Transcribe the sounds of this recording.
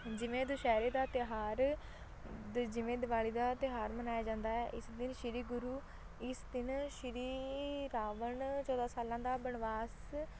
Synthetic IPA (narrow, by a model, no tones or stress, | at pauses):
d͡ʒɪʋẽːd̪ʊʃɛːɾeːd̪aːt̪ɪɦaːɾ | d͡ʒɪʋẽːd̪ɪbaːliːd̪aːt̪ɪɦaːɾmənaːjaːd͡ʒãːnd̪aːɛːʔɪsd̪ɪnʃɪɾiːɡʊɾuː | ɪsd̪ɪnʃɪɾiːɾaːʋənt͡ʃɔːd̪aːsaːlãːd̪aːbəɳʋaːs